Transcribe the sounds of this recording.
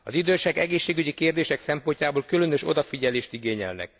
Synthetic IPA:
ɒ̰zid̪øːʃɛɡɛɡeːʃːeːɡyɟikeːrd̪eːʃɛksɛmpo̞ɲcaːboːlkylø̞nøʃo̞̰d̪ɒfiɟɛleːʃt̪iɡeːɲɛ̰lnɛ̰k̚

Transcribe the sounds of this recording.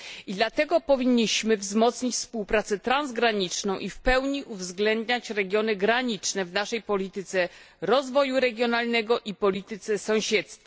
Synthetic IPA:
id̪lat̪ɛɡɔpɔvʲiɲːiɕmɘvzmɔt̪sɲit͡ɕʲfspuwpɾat̪sɛt̪ɾanzɡɾaɲit͡ʂnɔ̃w̃ʔifpɛwɲiʔuvzɡlɛnd̪ɲat͡ɕɾɛɡʲjɔnɘɡɾaɲit͡ʂnɛvnaʂɛjpɔlʲit̪ɘt̪sɛ | ɾɔzvɔjuɾɛɡʲjɔnalnɛɡɔʔipɔlʲit̪ɘt̪sɛsɔ̃w̃ɕɛt̪st̪fa

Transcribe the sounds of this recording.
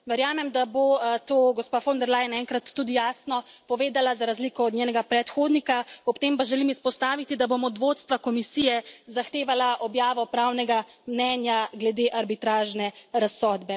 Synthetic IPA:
ʋɛɾjaːmɛmd̪abot̪oːɡɔspafond̪ɛɾlaːjɛnɛŋkɾat̪ːuːd̪ijaːsnɔpɔʋeːd̪alazaɾazlikɔɔd̪nɲeːnɛɡapɾɛt̪xoːd̪nikaɔpt̪eːmpaʒɛlimispɔst̪aːʋit̪id̪abomɔd̪ʋoːt̪st̪ʋakɔmisiːjɛzaxt̪eːʋalaʔɔbjaːʋɔpɾaːwnɛɡa | mnɛːnjaɡlɛd̪eʔaɾbit̪ɾaːʒnɛɾasːɔːd̪bɛ

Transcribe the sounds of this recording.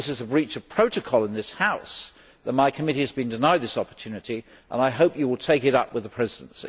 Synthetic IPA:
ɪsɨzəbɹit͡ʃʌv̥pʰɹ̥oʊɾɨkʰɔlˠə̃nðɪshaʊs | ðət̚maɪkʰəmɪɾiɨzbɨ̃ndɨnaɪd̪̚ðɪsɑpə̥˞tʰʉnɨɾi | ʔə̰̃naɪɦoʊpjɨwəlˠtʰeɪkɨɾʌ̰pwɨðəpʰɹ̥ɛzɨd̃nsḭ

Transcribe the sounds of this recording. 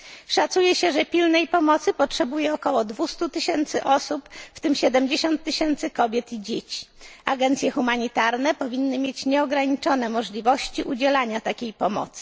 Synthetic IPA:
ʂat̪sujɛɕɛʐɛpʲilnɛjpɔmɔt̪sɘpɔtʂɛbujɛɔkɔwɔd̪vust̪ut̪ɘɕɛnt̪sɘʔɔsupft̪ɘmɕɛd̪ɛmd͡ʑeɕɔnt̪ːɘɕɛnt̪sɘkɔbʲjɛt̪id͡ʑet͡ɕi̥aɡɛnt̪sʲjɛxumaɲit̪aɾnɛpɔvʲinːɘmʲjet͡ɕɲɛɔɡɾaɲit͡ʂɔnɛmɔʐlʲivɔɕt͡ɕiʔud͡ʑɛlaɲat̪akʲejpɔmɔ̰t̪sɘ̥

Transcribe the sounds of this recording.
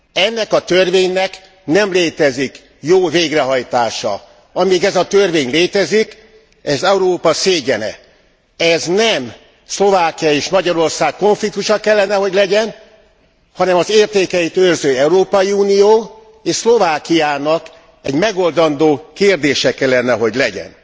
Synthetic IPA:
ɛnːɛkɒt̪ørveːɲnɛk | nɛmleːt̪ɛzik | joːveːɡrɛɦɒjt̪aːʃɒ̰ | ɒmiːɡɛzɒt̪ørveːɲleːt̪ɛzik | ɛzɛuɾoːpɒseːɟɛnɛ̰ | ɛznɛm | slo̞vaːkijɒeːʃmɒɟɒɾo̞rsaːkko̞ɱflik̚t̪uʃɒkɛlːɛnɛɦo̞ɟlɛɟɛn | hɒnɛmɒzeːrt̪eːkɛit̪ørzøːɛuɾoːpɒjiuːnijoː | eːʃslo̞vaːkijaːnɒk | ɛɟmɛɡo̞ld̪ɒnd̪oːkeːrd̪eːʃɛkɛlːɛnːɛɦo̞ɟlɛɟɛ̰n

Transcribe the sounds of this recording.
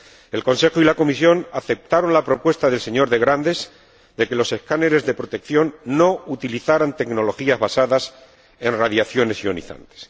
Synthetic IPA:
e̞lkõ̞nse̞xoilako̞misjo̞naθe̞p̚t̪aɾo̞nlapɾo̞pwe̞st̪aðe̞lse̞ɲo̞ɾðe̞ɣɾand̪e̞z | d̪e̞ke̞lo̞se̞hkane̞ɾe̞zðe̞pɾo̞t̪e̞kθjo̞nːo̞ut̪iliθaɾant̪e̞kno̞lo̞xiazβasaðas | e̞nraðjaθjo̞ne̞sio̞nḭθa̰nt̪e̥s

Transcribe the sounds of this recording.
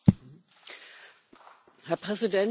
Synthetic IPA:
hɛɐpʁ̥ɛzidɛn

